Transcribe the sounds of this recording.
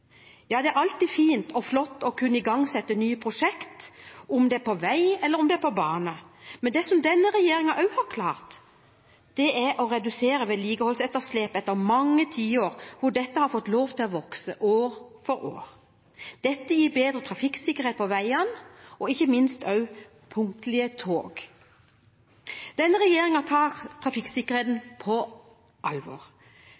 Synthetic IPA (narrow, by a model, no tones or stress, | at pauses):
jɑːd̪ɛæɾɑlt̪iːfiːnt̪ɔflɔt̪ːɔkʰʉnːəɪɡɑŋsɛt̪ːənyːəpʰɾʊʂɛkt̪ʊmd̪ɛpʰɔʋæɪɛlːəɾʊmd̪ɛæpʰɔbɑːnəmɛnd̪ɛsɔmd̪ɛnːəɾɛjeːɾɪŋɑʔɑʉhɑɾkʰlɑːʁt̪ | d̪̥ɛæɾʔɔɾɛd̪ʉseːɾəʋɛliːɡəhɔlsɛt̪ːəsleːpɛt̪ːəɾmɑŋːət̪ʰiːoːɾhʊɖɛt̪ːəhɑɾfɔt̪ːloːʋt̪ʰɪlɔʋɔksəʔoːɾfɔɾo̰ːɾ | d̪̥ɛt̪ːəjiːbeːd̪ɾət̪ʰɾɑfɪksɪkːəɾeːt̪̚pʰɔʋæɪɑnʔɔɪçːəmɪnst̪œʉ | pʰʊŋt̪lɪət̪ʰoːɡ | d̪̥ɛnːəʁɛjeːɾɪŋɑt̪ʰɑːʁt̪ʰʁɑfɪksɪkːəɾheːt̪npʰɔ | ʔɑlʋo̰ːʁ